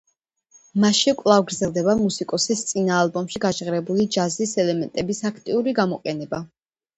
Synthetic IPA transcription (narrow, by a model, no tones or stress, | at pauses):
maʃikʼwlˠavɡɾd̪zɛlˠd̪ɛbamusikʼɔsist̪sʼinaːlˠbɔmʃiɡat͡ʃʁɾɛbulid͡ʒazisɛlɛmɛnt̪ʼɛbisakʰt̪ʼiuɾiɡamɔqʼɛnɛba